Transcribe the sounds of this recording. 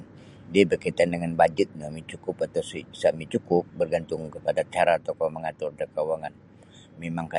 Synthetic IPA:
diabərkat̪andəŋanbad͡ʒɪt̪̚namit͡ʃukʊpat̪asisaʔmit͡ʃukʊp̚bərɡant̪ʊŋkəpadat͡ʃaɾaːt̪awkaməŋat̪ʊrdakawaŋan | memaŋka

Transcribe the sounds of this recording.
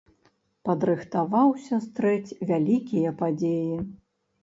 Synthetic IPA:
pɐd̪ɾɨxt̪avawsʲɐst̪ɾɛt͡sʲvʲalʲikʲijɐpad͡zʲeji

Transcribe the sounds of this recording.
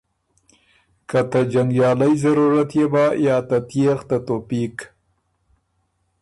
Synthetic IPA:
kat̪ad͡ʒaŋɡjɑːlajzaɾuɾat̪jebɑjɑːt̪at̪jext̪at̪opik

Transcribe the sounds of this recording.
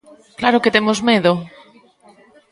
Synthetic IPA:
klaɾoket̪emozmeðo

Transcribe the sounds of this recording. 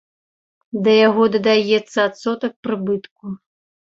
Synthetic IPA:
d̪ɐjaɣɔd̪ɐd̪ajɛt̪sːɐat̪sɔt̪ɐk̚pɾɨbɨt̪ku

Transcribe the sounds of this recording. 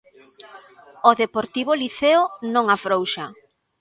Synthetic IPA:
oðepoɾt̪iβoliθeonõŋafɾowʃa

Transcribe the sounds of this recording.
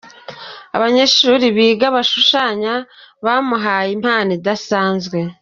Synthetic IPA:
a̰βaɲeʃuɾiβiːɡaβaʃuʃaːɲaβaːmuɦajim̥haːnidasaːnzɡwe̞

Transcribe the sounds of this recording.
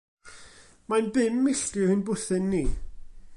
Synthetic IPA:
majnbɪmːɪɬd̥ɪhɨnbʊθɪnːiː

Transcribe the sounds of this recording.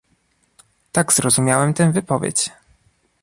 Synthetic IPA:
t̪aɡzɾɔzumʲjawɛmt̪ɛvɘpɔvʲḛt͡ɕ

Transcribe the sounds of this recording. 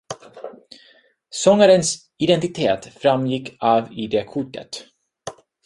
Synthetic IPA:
sɔŋːaɾəns | ɪd̪ɛnt̪ɪt̪ʰeːt̪fɾamjɪkːaːvɪd̪ekʰʊʈːə̰t̪

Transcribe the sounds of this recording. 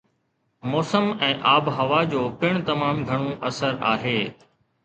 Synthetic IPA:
mɔːsəmɛ̃ːʔaːbɦɐʋad͡ʑoːpɪɽ̃t̪ɐmaːmɡʱɐɽ̃õʔɐsəɾa̰ːɦeː

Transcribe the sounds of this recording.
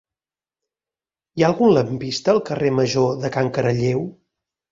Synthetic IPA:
jaəlˠɣunləmpist̪əːlˠkəreməʒoðəkaŋkəɾəʎew

